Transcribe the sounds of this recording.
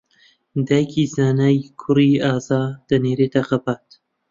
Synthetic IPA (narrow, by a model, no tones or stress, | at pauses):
d̪ajkʰiːzaːnajkʰʊɾiːaːzɑːd̪̥ɐneːɾet̪axɐbaːt̪